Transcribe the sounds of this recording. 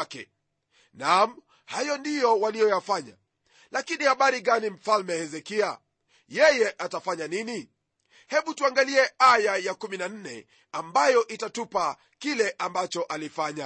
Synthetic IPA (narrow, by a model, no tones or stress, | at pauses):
kɛ̰ | nam̩ | hajɔndijɔwalijɔjafaɲa̰ | lakinihaɓaɾiɠanim̩falmɛhɛzɛkia | jɛjɛʔatafaɲanini | hɛɓutuaŋɡaliɛajajakuminan̩nɛ̰ | ambajɔʔitatupa | kilɛʔambat͡ʃɔʔalifaɲa